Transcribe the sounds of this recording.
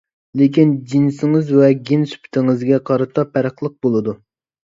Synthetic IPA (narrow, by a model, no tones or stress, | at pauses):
lekʲind͡ʒinsɪŋɨzwɛɡʲinsy̥pʰt̪ʰɪŋɨzɡʲɛqʰɑɾɨt̪ʰɑpʰæɾəχlˠəq̚bolˠɨd̪u